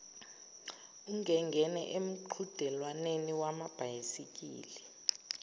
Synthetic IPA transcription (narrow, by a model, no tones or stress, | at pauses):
uŋʱɛŋɡʱɛnɛ̰ʔem̩ǃʰud̥ʱɛlwaneniwamab̥ʱajisik̬ʼḭːli